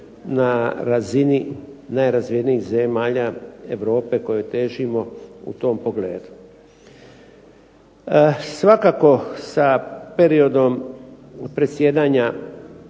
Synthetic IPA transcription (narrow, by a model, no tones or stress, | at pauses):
naɾazininajɾazʋieniiɣzemaːʎaeʋɾo̞ːpe̞ko̞je̞t̪e̞ːʒimo̞ṵt̪o̞mpo̞ɡle̞̰ːd̪u̥ | sʋakako̞sape̞ɾio̞d̪o̞m | pɾe̞t̪sje̞ːd̪aːɲa